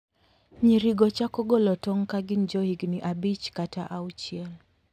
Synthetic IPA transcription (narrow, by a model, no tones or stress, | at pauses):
ɲiɾiɡɔt͡ʃakɔɡɔlɔtɔŋkaɡind͡ʒɔhiɡniʔabit͡ʃkataʔaut͡ʃiɛl